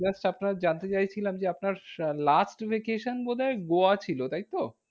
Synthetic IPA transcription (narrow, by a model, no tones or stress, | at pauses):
asʈapnaɾd͡ʑant̪et͡ɕajt͡ɕʰilamd͡ʑeapnaɾlasʈvʱekeʃanbod̪ʱaeɡoat͡ɕʰilot̪ajt̪o